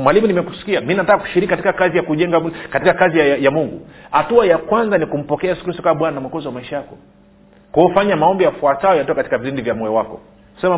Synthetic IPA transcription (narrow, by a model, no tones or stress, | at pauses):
mwalimunimɛku̥si̥kiamininatakaku̥ʃiɾikikati̥kakazijakuʄɛŋɡakatikakaziajamuŋɡṵhatuajakwanzanikum̩pɔkɛajɛsu̥kɾistɔkaaɓwananamwakɔziwamaiʃajakɔ | kuɔfaɲamaɔmbijafuataɔjatɔakati̥kaviɾindivjamɔjɔwakɔ̰ | sɛma